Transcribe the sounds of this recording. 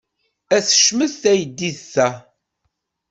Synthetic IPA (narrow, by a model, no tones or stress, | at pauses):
æθə̥ʃməθθæjəd̪ːiðθæ